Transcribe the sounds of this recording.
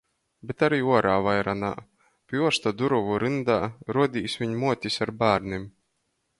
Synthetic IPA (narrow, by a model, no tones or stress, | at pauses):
bʲet̪aɾiːuɔɾaːvajɾana̰ː | pʲjuɔʃt̪ad̪uɾuvuɾɨnd̪aːɾuɔd̪ʲiːsʲvʲiɲmuɔt̪ʲisʲaɾbæːɾnim